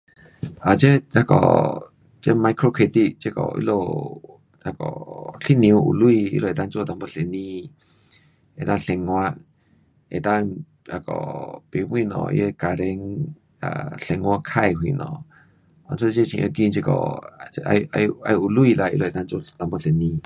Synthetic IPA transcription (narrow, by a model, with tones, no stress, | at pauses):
ʔa˨t͡ʃe˦a˦kɔ̰˨ | t͡ʃe˦ma˧jkɾo˦˧kʰe˧t̪i˧d͡ʒe˦˧kɔ̰˨ḭ˧lo˧ | a˧kɔ˨ɬi˦nĩ˧u˧ʔṵ˨lu˦i˧ḭ˧lo˧e˨t̪a˦˧nt͡so˦˧˨t̪a˧mbə˧ɬe˨nĩ˦˧ | e˨t̪a˧ɬe˧ŋwa˧ʔ | e˨t̪ã˦˧ŋ | a˧kɔ̰˨pi˧˨wĩ˦˧˨nɔ̰̃˧˨ḭ˧˦e˧ka˧ɾe˧ŋ | a̰˧˨ɬe˧ŋʷ˧a˧kʰa˧jɦwḭ˧˨nɔ̰̃˧˨ | a˧nt͡so˦d͡ʒe˦˧˨t͡ʃḭ̃˧ʔə˧ɡi˧nd͡ʒe˧kɔ̰˨˧a˧ʔa˧a˧u˧˨lu˦i˧la˧ḭ˧lo˧e˨t̪a˧nd͡ʒo˦˧˨t̪a˧mbə˧ɬe˨nĩ˧